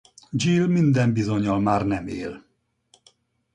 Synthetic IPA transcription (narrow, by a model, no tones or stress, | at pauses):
d͡ʒilmind̪ɛmbizoɲɒlmaːrnɛmḛːl